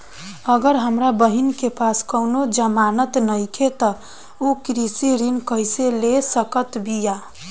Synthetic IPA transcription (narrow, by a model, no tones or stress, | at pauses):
əɡəɾɦəmɾabəɦinkepaskəʊnod͡ʒəmanət̪nəjkʰet̪ə | okɾisiɾinkəjselesəkət̪bʱija